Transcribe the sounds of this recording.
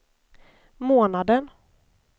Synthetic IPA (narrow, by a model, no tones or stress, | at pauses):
moːnad̪ən